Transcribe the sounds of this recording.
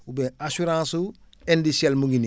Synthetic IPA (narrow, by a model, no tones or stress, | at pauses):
ubeasuɾãːsu | endisielmuɡini